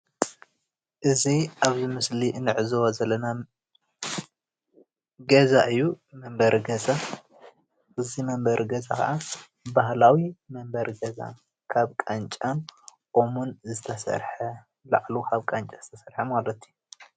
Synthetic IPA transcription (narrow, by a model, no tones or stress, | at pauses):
ʔɨziaβzimɨslinɨʕzɐwazɐlːɐna | ɡɐzaʔɨjːu | mɐmbɐɾɡɐza | ʔɨzimɐmbɐɾʔɡɐzakʰɐ̰ʔa | bahlawimɐmbɐɾɡɐza̰ | kʰaβkʼɐnt͡ʃʼaʔomunzɨt̪ʰɐsɐ̰ɾħɐ | la̰ʕlukʰaβkʼɐnt͡ʃʼaz̥ɨt̪ʰɐsɐɾħɐmalɐt̪ʰiju